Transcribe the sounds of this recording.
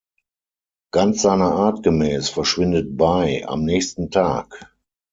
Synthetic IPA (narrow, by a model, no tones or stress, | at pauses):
ɡ̥ant͡sz̥aɪnɐaɐtɡ̥əmɛːsfɛɐʃv̥ɪndət̚baɪa̰mnɛːçstn̩tʰaːk